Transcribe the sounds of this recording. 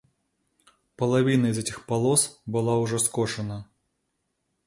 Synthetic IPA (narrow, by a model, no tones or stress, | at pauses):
pɐlˠavʲinɐizɛtʲixpalˠɔsbɨlˠawʐɔskɔʂɐnɐ